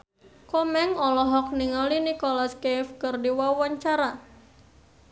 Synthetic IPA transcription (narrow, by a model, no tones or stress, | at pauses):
kɔmɛŋɔlɔɦɔk̚niŋɔlinikɔlaskefkərdiwawaɲt͡ʃaɾa